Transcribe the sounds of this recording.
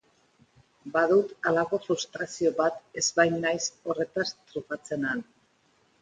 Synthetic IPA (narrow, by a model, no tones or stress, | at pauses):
baðut̪alaɣo̞fɾust̪ɾasio̞βat̪e̞zβajnːajso̞re̞t̪ast̪ɾufat͡se̞nan